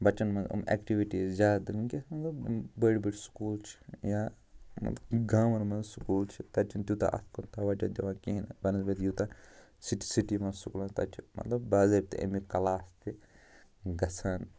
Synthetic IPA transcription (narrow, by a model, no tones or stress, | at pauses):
bɐt͡ʃɐnmɐnɐ̰mʔḛkʈiʋiʈiːzzaːd̪ɨkemɐt̪lɐbbəːɽbiʈsu̥kuːlt͡ʃʰi̥jaː | mɐ̰t̪ɐɡãːmɐnmɐnsu̥kuːlt͡ʃʰit̪ɐt͡ʃʰint̪jut̪a̰ʔɐ̰t̪ʰkɐnt̪ʰaʋɐd͡ʒɐd̪ɐʋãːkinbɐnɐsbɐt̪jut̪asiʈsiʈimɐnsuklɐnt̪ɐt͡ʃʰimɐ̰t̪lɐbbaːzɐːb̚t̪ʰḭʔɐ̰mikɐlaːst̪ʰi | ɡɐsʰaːn